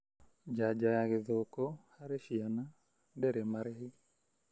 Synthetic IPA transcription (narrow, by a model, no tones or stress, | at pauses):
d͡ʒad͡ʒajaɣeðokohaɾeʃiana | dɛɾemaɾehɪ